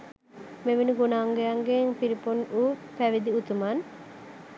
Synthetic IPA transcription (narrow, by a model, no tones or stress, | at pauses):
meʋinuɡonaːŋɡejaŋɡeŋpiɾiponupæʋid̪iut̪uman